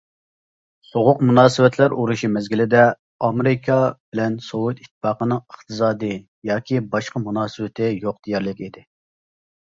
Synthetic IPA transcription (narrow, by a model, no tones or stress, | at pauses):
soʁʊqmunɑːsɨwɛt̪ʰlæɾuɾuʃimɛzɡʲilɪd̪ɛ | ɑmeɾɪkʰɑbɪlɛnsout̪it̪ʰːpɑːqənɨŋəχt̪ɨsɑːd̪ɨ | jɑːkʲibɑʃqɑmunɑːsɨwɪt̪ʰɪjoq̚d̪̥ijɛɾlɪkʲid̪ɪ